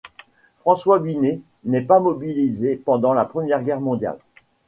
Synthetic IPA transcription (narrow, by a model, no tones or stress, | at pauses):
fχɑ̃swabine | nɛpamɔbilizepɑ̃d̪ɑ̃lapχəmjɛʁɡʲɛʁmɔ̃d̪ja̰l